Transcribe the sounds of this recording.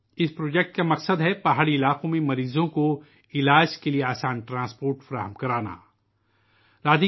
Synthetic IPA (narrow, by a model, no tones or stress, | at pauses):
ɪspɾoːd͡ʒɛk̚ʈkamɐqsəd̪ɦɛpaɦaːɭiɪlaːqõmẽmɐɾiːzõko | ɪlaːd͡ʒkelieaːsaːnʈɾãːspoːɾʈfɐɾaːɦəmkɐɾaːna̰ː | ɾaːd̪i